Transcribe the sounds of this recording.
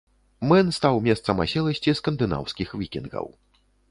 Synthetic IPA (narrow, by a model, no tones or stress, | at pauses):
mɛnst̪awmʲɛst̪sɐma̰ɕʲɛlˠɐɕʲt͡sʲiskɐnd̪ɨna̰wskʲixvʲikʲinɡɣɐ̰w